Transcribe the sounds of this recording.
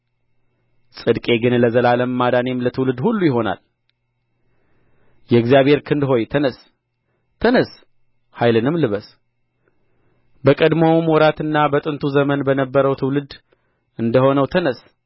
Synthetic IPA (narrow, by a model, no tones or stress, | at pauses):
sʼɨd̪kʼe̞ɡɨnləzəlaləmːad̪ane̞mlət̪ʰɨwlɨd̪hulːujɪɦo̞na̰l | jɛɨɡzijaβhe̞ɾkʰɨnd̪ɦo̞jt̪ʰənəs | t̪ʰənəs | hajlɨnɨmlɨβəs | bəkʼəd̪mowmwɔɾat̪ɨnːabət̪ʼɨnt̪ʰuzəmənbənəbːəɾəwt̪ʰɨwlɨd̪ | ʔɨnd̪əho̞nəwt̪ʰənəs